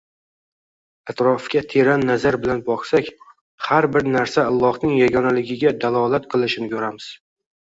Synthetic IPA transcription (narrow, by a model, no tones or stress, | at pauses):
at̪ɾɒfkʲat̪ʰeɾanːazaɾbɪlanbɒχsakʲ | haɾbɪɾnaɾsaalˠːɒhnɪŋjaɡɒnalɪɡʲɪɡʲad̪alˠɒlat̪qʰɨlˠɪʃɪnɪkʰɵɾamɪz̥